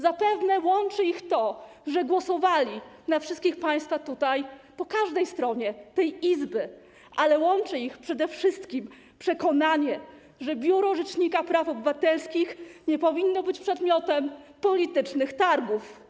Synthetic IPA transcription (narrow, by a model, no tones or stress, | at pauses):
zapɛvnɛwɔnt͡ʂɘixt̪ɔʐɛɡwɔsɔvalʲinafʂɘst̪kʲixpaj̃st̪fat̪ut̪ajpɔkaʐd̪ɛjst̪ɾɔɲɛt̪ɛjizbɘ | ʔalɛwɔnt͡ʂɘixpʂɛd̪ɛfʂɘst̪kʲim | pʂɛkɔnaɲɛ | ʐɛbʲjuɾɔʐɛt͡ʂɲikapɾafɔbɘvat̪ɛlskʲixɲɛpɔvʲinːɔbɘt͡ɕpʂɛd̪mʲjɔt̪ɛmpɔlʲit̪ɘt͡ʂnɘxt̪aɾɡuf